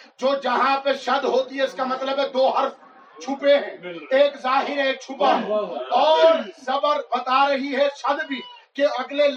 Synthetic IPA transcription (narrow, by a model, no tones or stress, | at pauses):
d͡ʒoːd͡ʒɐɦãpeʃɐd̪ɦoːt̪iɦɛʊskamɐt̪ləbɦɛ̃d̪oːɦɐɾf | t͡ʃʰupeɦɛ̃eːkzaːɦɪɾeːk̚t͡ʃʰupaɦɛ̃ɔːɾsɐbəɾbɐt̪aɾɐɦiɦɛʃɐd̪bʱi | keɐɡlel